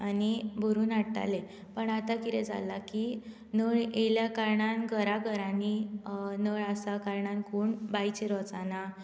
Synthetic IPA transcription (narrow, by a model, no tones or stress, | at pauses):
anibʱuɾuːnaɽʈa̰le | pəɳat̪akit̪ɛd͡za̰laki | nəɭeljakaɾɳanɡʱəɾaɡʱəɾaninəɭasakaɾɳankoːɳbajt͡ɕeɾɔt͡sana